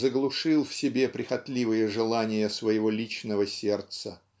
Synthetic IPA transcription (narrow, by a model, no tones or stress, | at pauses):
zəɡlˠʊʂɨlˠfsʲɪbʲe̞pɾʲɪxɐt̪ʲlʲivɨjəʐɨlˠanʲɪjəsvəjɪvolʲit͡ɕnəvəsʲe̞rt̪sə